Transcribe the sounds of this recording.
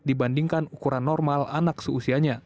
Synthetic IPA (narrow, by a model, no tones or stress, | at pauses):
dibandiŋkanukuɾanːɔrmala̰naksəusiaɲa